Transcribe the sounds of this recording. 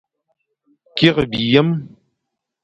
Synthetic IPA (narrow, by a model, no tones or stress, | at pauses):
kiʁəbijɐm